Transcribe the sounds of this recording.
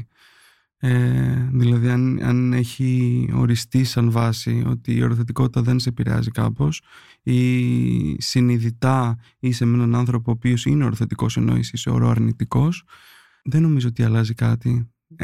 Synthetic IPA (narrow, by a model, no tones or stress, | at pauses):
eðilɐðiɐnɐ̰ne̞çio̞̰ɾist̪isɐnvɐsio̞̰t̪iːo̞ɾoθe̞t̪iko̞t̪i̥t̪ɐðe̞nseepiɾe̞̰ɐ̰zikɐ̰po̞s | i | siniðit̪ɐ | isemenɐnɐnθɾo̞poːpio̞sineoɾoθe̞t̪iko̞̰se̞no̞̰ḭsiseo̞̰ɾoɐɾnit̪iko̞s | ðeno̞mizoo̞t̪iɐlɐzikɐt̪i